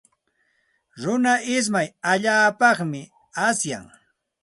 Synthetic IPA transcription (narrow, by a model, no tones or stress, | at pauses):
ɾʊnaɪs̬majaʎaːpɑχmɪ | asja̰ŋ